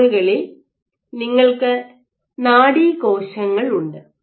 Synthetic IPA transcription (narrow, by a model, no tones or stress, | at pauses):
uɣɐɭe | niŋːɐɭkɨ | naːɽikoːɕɐŋːɐɭuɳɖɨ